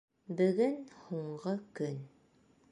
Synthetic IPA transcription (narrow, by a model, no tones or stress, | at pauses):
bɘ̆ɡɘnhuɴɢɤkɵn